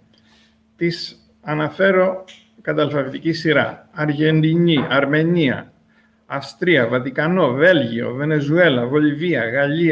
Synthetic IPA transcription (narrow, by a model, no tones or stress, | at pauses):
t̪is | ɐnɐfe̞ɾo̞ | kɐt̪ɐlfɐvit̪icisiɾɐ̰ɐɾʝe̞nd̪iɲiɐɾme̞ɲiɐ̰ | ɐfst̪ɾiɐvɐt̪ikɐno̞ve̞lʝio̞̰ve̞ne̞zue̞lɐvo̞liviɐɣɐʎi